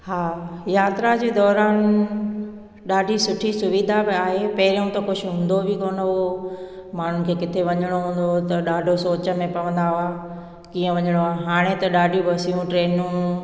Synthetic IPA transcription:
haːjaːt̪ɾad͡ʑeːd̪ɔːɾaːn | ɗaːɖʱisʊʈʰisʊʋiːd̪ʱabɪaːɦepɐɦɪɾiũt̪ɐkʊʃʰʊɦũːn̆d̪obikoːnəo | maːɳ̤ʊn̆kʰeːkɪt̪ʰeʋɐɲəɽ̃oɦũːn̆d̪ot̪ɐɗaːɖʱosoːt͡ɕə̆mẽpɐʋə̃nd̪aɦʊaː | kĩːə̃ʋɐɲəɽ̃oaːɦaːɽ̃et̪ɐɗaːɖʱĩbʱɐsijũʈɾeːnũ

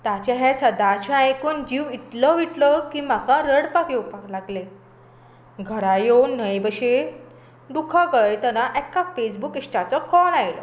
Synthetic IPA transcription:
t̪at͡ɕaɦẽsəd̪at͡ɕaajkuːnd͡ʑiʋit̪ləʋiʈləkiːm̤akaɾəɽpakewpaklaɡle | ɡʱəɾajownːəjbəɕe | ɖ̪ukʰaɡəjt̪ənaʔɛkafesbukisʈat͡səkɔnajlə̰

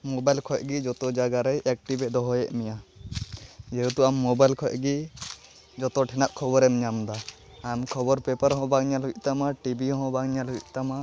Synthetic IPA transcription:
mɔbajlkʰɔc̚ɡid͡ʒɔt̪ɔd͡ʒaɡaɾɛjʔɛk̚ʈibɛd̪ɔɦɔjɛʔmɛja | d͡ʒɛɦut̪uamːɔbajlkʰɔjʔɡi | d͡ʒɔt̪ɔʈʰɛnaʔkʰɔbɔɾɛmɲamd̪aː | mkʰɔbɔɾpɛpaɾɦɔ̃baŋɲalɦujʔ̚ˀt̪amaʈibiɦɔ̃baŋɲalɦujc̚t̪ama

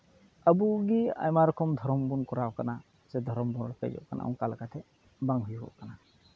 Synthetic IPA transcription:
əbuɡia̰jmaɾɔkɔmd̪ʱɔɾɔmbunkɔɾawkana | sɛd̪ʱɔɾɔmbɔnɾɔkɛ̰d͡ʒɔ̰ʔkana̰ʔɔ̰̃ŋkalkat̪ʰɛ | baŋɦujbɔ̰ʔkana

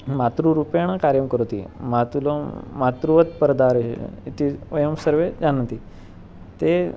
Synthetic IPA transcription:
mat̪ɾuɾupeɽ̃akaɾjəmkəɾot̪ḭːmat̪ulmat̪ɾuʋət̪pəɾd̪aɾ̰it̪iʋəjəmsəɾʋed͡zanə̃t̪i | t̪e

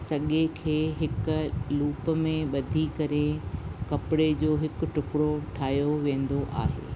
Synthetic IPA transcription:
sɐɠekʰeːɦɪkʊ̆luːpə̆mẽɓɐd̪ʱikɐɾekɐpɪɽed͡ʑoːɦɪkʊ̆ʈʊkɪɽoʈʰaːjoʋẽːn̆d̪oʔa̰ːɦḛː

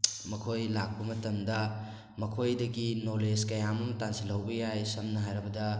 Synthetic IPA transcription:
mɐkʰojlak̚pɐmɐtɐmdɐ | mɐkʰojdɐɡinoleskɐjamɐmɐtansilɐwbɐjajsɐmnɐɦajɾɐbɐdɐ

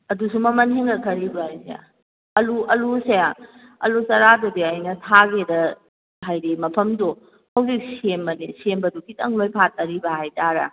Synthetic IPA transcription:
ɐdusumɐmɐnheŋɡɐkʰɐɾibɐajsḛa̰ | ɐluɐlusea | ɐ̰lusɐɾadudiɐjnɐtʰaɡedɐ | ɦajɾimɐpʰɐmdo | hɐwzik̚sembɐnisembɐdukitɐŋlojpʰat̚ːɐɾibɐhajtʰaɾɐ̰

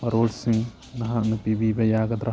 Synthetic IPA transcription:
pɐɾoːɖsiŋɡ | nɐɦɐnupiʋiːʋɐjaːɡɐd̪ɾɐ

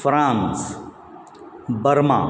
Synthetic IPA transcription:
fɾãːns | bəɾma̰ː

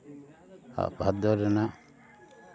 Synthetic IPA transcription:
a̰ʔbʱad̪ɔɾɛna

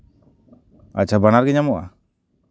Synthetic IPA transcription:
a̰c̚t͡ʃʰabanaɾɡɛɲamɔʔa̰

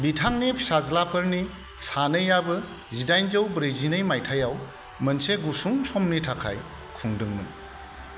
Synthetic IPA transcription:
bitʰaŋnipʰsazlapʰɯɾni | sanɯjabɯ | zidajnzɯwbɾejzinɯjmajtʰajaw | mɐnseɡusuŋsɔmnitʰakʰa̰j | kʰuŋdɯŋmɯ̰n

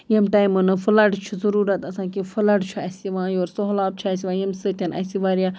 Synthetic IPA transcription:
jemʈaːjmɨnɨfɨlɐʈt͡ʃʰuzɐɾuːɾɐt̪ɐsãːkefʰɨlɐʈt͡ʃʰuɐsiʋãːjoːɾsoɦlaːb̚t͡ʃʰuɐsiʋãːjemsɨt̪ʲɐnɐ̰siʋaːɾijaː

